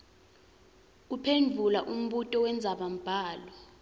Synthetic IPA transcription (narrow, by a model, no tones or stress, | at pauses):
upʰendʱulaʔum̩ɓutʼɔwɛnd͡zʱaɓam̩b̥ʱaːlɔ